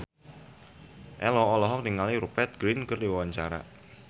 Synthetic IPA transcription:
ʔɛlɔːlɔɦɔk̚diŋaliɾupɛt̪̚ɡ̥ɾinkɨrdiwawaɲt͡ʃaɾa̰

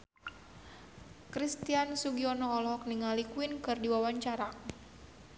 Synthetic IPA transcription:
kɾist̪iansuɡiɔnɔːlɔɦɔk̚niŋalikwinkɨrdiwawaɲt͡ʃaɾa

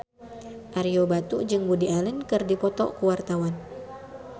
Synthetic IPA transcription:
ʔaɾiobat̪ud͡ʒɨŋbudialənkɨrdipɔt̪ɔ̰kuwart̪awan

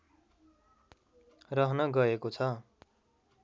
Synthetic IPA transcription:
rʌɦnʌɡʌekot͡sʰʌ

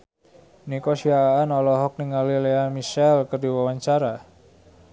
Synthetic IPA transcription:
nikosiaːnɔlɔɦɔk̚niŋalileamiʃɛlkərdiwawaɲt͡ʃaɾa

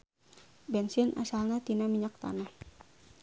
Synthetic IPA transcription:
bɛnsɪnʔa̰salnat̪inamiɲak̚t̪a̰nah

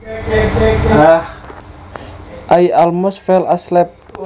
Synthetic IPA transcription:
ʔajalmɔsfɛlaslɛp̚

